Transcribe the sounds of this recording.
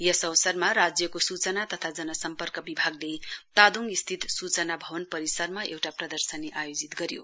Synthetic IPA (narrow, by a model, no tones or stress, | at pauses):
jʌsʌwsʌrmarad͡zjʌkosut͡sʌnat̪ʌt̪ʰad͡zʌnʌsʌmpʌrkʌbibʱaɡlet̪ad̪uŋɡist̪ʰit̪sut͡sʌnabʱʌbʌnpʌɾisʌrmaʔḛwʈaprʌd̪ʌrsʌneʔajod͡zit̪ɡʌɾjo̰